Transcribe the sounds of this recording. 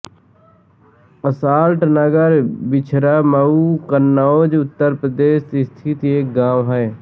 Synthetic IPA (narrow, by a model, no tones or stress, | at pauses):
əsaːlʈnəɡəɾbɪt͡ʃʰɾaːmauːkənːaoːd͡ʒʊt̪ːəɾpɾəd̪eːʃɪst̪ʰit̪eːk̚ɡãːʋɦɛe